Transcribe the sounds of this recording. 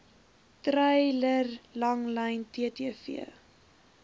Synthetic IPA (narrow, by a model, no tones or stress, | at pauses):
trɐjlərlɐŋlɐjntiətiəfḭə